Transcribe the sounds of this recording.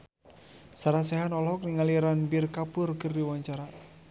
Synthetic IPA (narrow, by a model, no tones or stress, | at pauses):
saɾas̬ɛɦanɔlɦɔk̚niŋaliɾanbirkapʊrkɨrdiwaɲt͡ʃaɾa